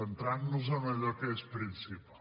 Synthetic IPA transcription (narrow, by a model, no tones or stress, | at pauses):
ənt̪ɾannuzəməʎɔkəespɾinsipa